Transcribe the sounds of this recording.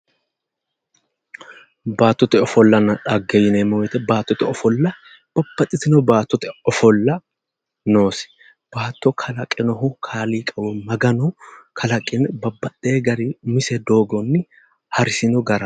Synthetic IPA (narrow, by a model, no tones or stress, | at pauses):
baːt̪ːɔt̪ɛɔfɔlːɐnɐᶑɐɡɛjɪnɛmɔwɛt̪ɛbaːt̪ːɔt̪ɛɔfɔlːɐ | b̥ɐbːɐt̪ʼːɪt̪ɪnɔbaːt̪ːɔt̪ɛɔfɔlːɐ | noːsɛ̥ | b̥aːt̪ːɔkʰɐlɐkʼɛnɔɦʊkʰaːliːkʼɐwɛmɐɡɐnɔkʰɐlɐkʼɪnbɐbːɐtʼːeːɡɐɾɪmɪsɛd̪o̞ːɡɔnːɪ | hɐɾɪsɪnɔɡɐɾɐ